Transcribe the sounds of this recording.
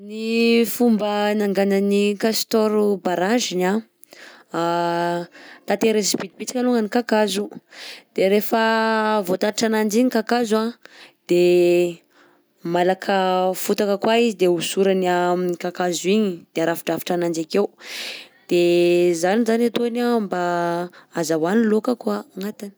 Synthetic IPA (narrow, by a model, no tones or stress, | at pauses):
nifumbənaŋɡanənikast̪oɾubaɾaʒina | t̪at̪eɾesipit̪̚pit͡sḁkʲaluŋənikakazud̪̥eɾefəvot̪aɾiʈ͡ʂanand͡ʒiɲikakazuãd̪̥e | malakʰəfut̪akəkwaizid̪eusuɾaniamikakazuiɲid̪̥eaɾafi̥ʈ͡ʂafi̥ʈ͡ʂanand͡ʒakew | d̪̥ezanizanat̪onamba | azawanilokəkwaaŋat̪ani̥